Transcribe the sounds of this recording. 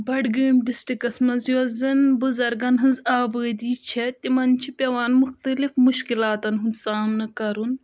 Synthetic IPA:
bɐɖɡəːmɖisʈɾikɐsmɐnzjozɐnbuzɐɾɡɐnɦɨnzaːbəːd̪iːt͡ʃʰet̪imɐnt͡ʃʰipʲɐʋaːnmuxt̪ɐlifmuʃkilaːt̪ɐnɦunsaːmnɐkɐɾun

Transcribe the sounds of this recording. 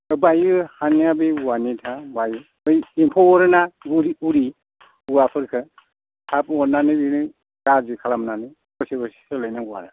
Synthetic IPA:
bajɯhaniabiuwanitʰabaju | ɯjimpʰɔɾɯnaɡuɾiuɾi | uwapʰɯɾkʰɯ | tʰapɔnanɯbinɯ | ɡazikʰalamnanɯ | ɔsibɯsi̥sɯlajnauwa̰na

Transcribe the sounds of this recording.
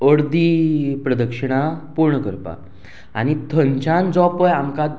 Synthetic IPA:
əɽd̪ipɾəd̪əkʂəɽ̃apuɾɳəkəɾpa̰ | a̰ñit̪ʰənt͡ɕãnd͡zɔpəjamka

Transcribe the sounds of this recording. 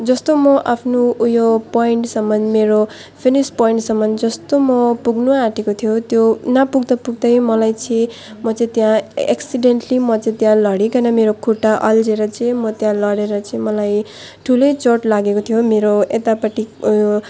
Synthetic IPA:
d͡zʌst̪omʌʔapʰnuujopoiɳʈsʌmːʌndmeɾo | pʰinispoiɳʈsʌmːʌnd͡zʌst̪omʌpuɡnuaʈʰekot̪ʰijot̪jonapuɡd̪ʌpuɡd̪ʌjmʌlajt͡sʌĩ | mʌt͡sʌĩt̪jãḛksiɖenʈlimʌt͡sʌĩt̪jãlʌɽikʌnʌmeɾokʰuʈːaʔʌld͡zeɾʌt͡sʌĩmʌt̪jãlʌɽeɾʌt͡sʌĩmʌlaj | ʈʰulejt͡soʈlaɡekot̪ʰijomeɾoet̪apʌʈːij

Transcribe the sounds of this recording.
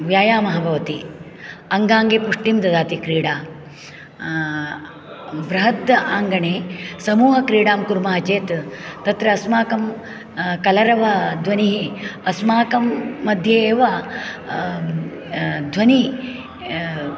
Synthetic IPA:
ʋjaːjaːmɐɦɐbʱɐʋɐt̪i | ɐŋɡaːŋɡeːpuʂʈimd̪ɐd̪aːt̪ikɾiːɽaː | bɾɐɦɐt̪ːɐʔaːŋɡɐɳeːsɐmuːɦɐkɾiːɽaːmkuɾmaːɦɐt͡ʃeːt̪t̪ɐt̪ɾɐːsmaːkɐm | kɐlɐɾɐʋɐd̪ʱʋɐniɦiɐsmaːkɐmːɐd̪ʱjeːʋa | d̪ʱʋɐni

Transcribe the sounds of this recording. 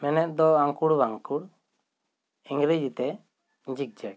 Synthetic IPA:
mɛnɛt̪̚d̪ɔaŋkuɽbaŋkuɽ | iŋɡɾed͡ʒit̪ɛ | ɲd͡ʒik̚d͡ʒɛk

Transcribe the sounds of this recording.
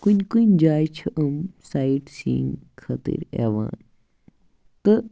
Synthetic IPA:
kunʲkunʲd͡ʒaːjt͡ʃʰɐʔəmsaiʈsḭːŋkʰɐt̪ḭɾḛːʋa̰ːn | t̪ɨ

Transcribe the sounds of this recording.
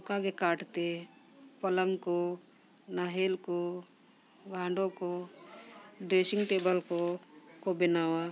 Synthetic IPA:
ʊkakekaːʈt̪e | pələmko | naːɦeːlko | ɡʱãːɳɖõko | ɖɾeːsɪŋɡʈeːbəlkokobɪnaːwa

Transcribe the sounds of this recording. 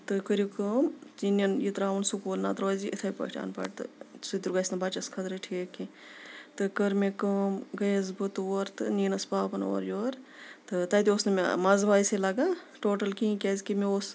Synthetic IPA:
t̪ɨkəɾikəmt͡ʃinɐnjit̪ɾaːunsukuːlnaːt̪ɾoːziʔit̪ʰɐpɐ̰ʈʰa̰ːnpɐ̰ʈt̪ɨ̰sɨd̪ʲuɾɡɐsnɐbɐt͡ʃɐskʰɐt̪ɾɨʈʰeːki | t̪ɨkɐɾmekɐmɡɐjɐzbɨt̪oːɾt̪ɨniːnɐspaːpɐno̰ːɾjoːɾt̪ɨt̪ɐt̪iosnɐmḛmɐzbaːiselɐɡaː | ʈoːʈɐlkĩːkʲezkimeos

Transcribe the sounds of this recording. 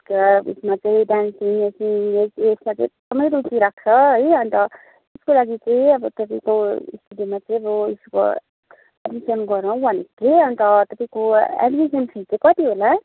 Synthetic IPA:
kaḛsmat͡saĩɖansiŋesiŋsesmat͡saĩd̪̥ʌmʌjɾutiɾak̚ʰt͡sʰʌɦʌjʌnt̪ʌ | eskolaɡit͡saĩʌbʌt̪ʌpaĩkoḭst̪udimat͡saĩʌbʌisko̰ | aɖmisʌnɡʌɾʌw̃bʱʌneteʌnt̪ʌt̪ʌpaĩkoa̰ɖmisʌnpʰit͡sʌ̃kʌt̪iɦola

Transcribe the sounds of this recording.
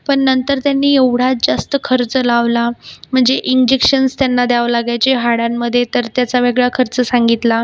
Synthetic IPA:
pəɳːənt̪əɾt̪janːiːeʋɽ̤at̚d͡zast̪əkʰəɾt͡səlaʋlam̤əɳd͡zeʔind͡ʑekɕənst̪janːad̪jaʋlaɡajt͡ɕeɦaɽamːəd̪ʱjet̪əɾt̪jat͡saʋeɡɭakʰəɾt͡səsaŋɡit̪la

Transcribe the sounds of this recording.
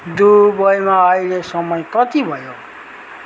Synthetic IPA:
d̪ubʌjmaːilesʌmʌjkʌt̪ibʱʌjo

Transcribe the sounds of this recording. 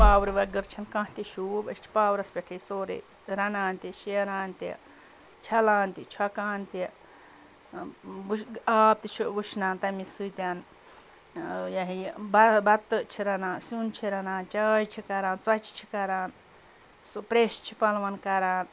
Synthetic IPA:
paːwɾiʋɐɡəɾt͡ʃʰɐnkãːht̪iʃuːbɐt͡ʃʰi̥paːwɾɐspʲeʈʰisoːɾḛ | ɾɐnaːnt̪iʃiɾaːnt̪ḭ | t͡ʃʰɐlaːnt̪it͡ʃʰɐkaːnt̪i | buaːp̚t̪it͡ʃʰubuʃnaːnt̪ɐmisujt̪ʲaːn | jɐɦibɐbɐt̪t͡ʃʰiɾɐnaːsunt͡ʃʰiɾɐnaːnt͡ʃaːjt͡ʃʰikɐɾaːnt͡sɐt͡ʃi̥t͡ʃʰi̥kɐɾaːn | spɾeːʃt͡ʃʰipɐlʋɐnkɐɾaːn

